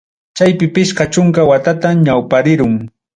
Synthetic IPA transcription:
t͡ʃajpɪpɪʃqɑt͡ʃʊŋkawat̪at̪aɲawpaɾɪɾʊŋ

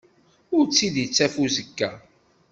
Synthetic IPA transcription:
ʊɾt͡sːid̪jət͡sːæfuzəkːæ

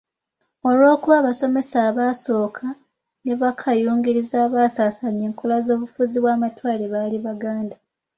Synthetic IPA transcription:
o̞lwo̞ːkuβaːβaso̞me̞saːβaso̞ːkʰa | ne̞βakʰajuːŋɡiɾizaːβaːsaːsaɲeːŋkolazo̞ːβufuziβwaːmatwaːleβaːliβaɡaːnda

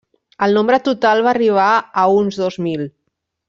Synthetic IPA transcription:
əlˠnombɾət̪ut̪alˠβariβ̞aəunzðozmil

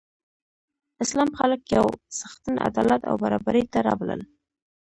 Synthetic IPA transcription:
ɪslɑmxaləkjawsaxt̪əna̰d̪ɑlat̪a̰wbaɾɑbaɾəjt̪aɾɑbalə̰l

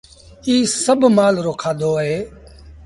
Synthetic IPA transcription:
iːsəbʱmaːlɾoːkʰaːd̪oːəɦeː

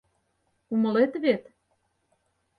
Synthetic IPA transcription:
umə̆let̪βet̪

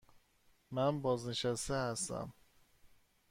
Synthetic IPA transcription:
mænbɒːzneʃæst̪ehæst̪æ̰m

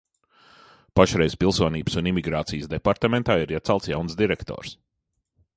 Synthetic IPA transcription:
paʃɾɛjspilˠsuɔniːbsunimiɡɾaːt̪sijəsd̪ɛpaɾt̪amɛnt̪aːiɾiɛt̪salˠt̪sjawnsd̪iɾɛkt̪ɔ̰ːɾs

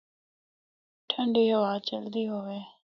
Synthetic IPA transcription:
ʈʰəɳɖiːɦəʋaːt͡ʃəld̪iːɦoːʋeː

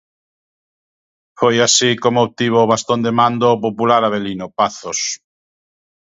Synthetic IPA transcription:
fojasikomoːβ̚t̪iβ̞oβast̪ond̪emãnd̪oːp̬opulaɾaβ̞elinopaθos

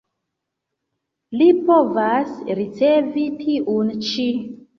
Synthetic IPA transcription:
lipovasɾit͡sevitʰiʔunt͡ʃi

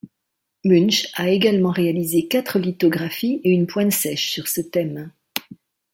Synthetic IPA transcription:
mynʃaeɡalmɑ̃ʁealizekat̪χəlit̪ɔɡʁafieynpwɛ̃nsɛʃsyʁsət̪ɛm

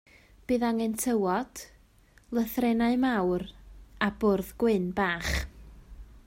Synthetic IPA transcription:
b̥ɨːðaŋɛntʰəwɔd̥ | lˠəθrɛnaɨmawrabʊrðɡ̥wɨnbaːχ

